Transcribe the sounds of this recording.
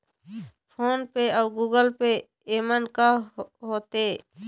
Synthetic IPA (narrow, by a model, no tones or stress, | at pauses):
pʰoːnpeəʊɡuːɡəlpe | emənkaɦoːt̪eː